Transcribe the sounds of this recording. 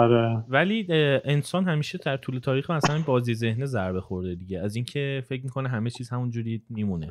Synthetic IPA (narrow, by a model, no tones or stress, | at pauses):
ɒɾevæliːensɒːnhæmiːʃed̪æɾt̪ʰuːle̞t̪ʰɒːɾiːxmæsælænbɒːzize̞hnizæɾbexoɾd̪ed̪iɟeæziːncʰe̞fe̞cmikʰo̞neɦæmet͡ʃʰiːzhæmund͡ʒuːɾiːmimune